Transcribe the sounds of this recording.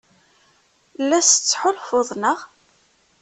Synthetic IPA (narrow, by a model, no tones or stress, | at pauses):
lːæst͡sːħʊlfʊðˤnəʁ